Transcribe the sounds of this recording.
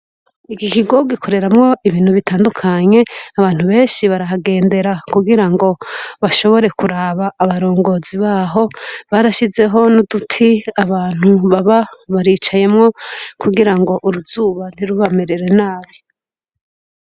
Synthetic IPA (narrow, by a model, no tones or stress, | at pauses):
iɡikiɡo̞ɡikʰo̞ɾe̞ɾamŋo̞iβiːn̥huβitaːndukʰaɲe̞aβaːn̥huβe̞ːnʃiβaɾaɦaɡe̞ːnde̞ɾakuɡiɾaŋɡo̞βaʃo̞βo̞ɾe̞kuɾaβaːβaɾo̞ːŋɡo̞ziβaːɦo̞βaːɾaʃize̞ɦo̞nudutʰiaβaːn̥uβaβaβaɾiːt͡ʃaje̞mŋo̞kʰuɡiɾaŋɡo̞ʔuɾuzuːβan̥iɾuβame̞ɾe̞ɾe̞naːβi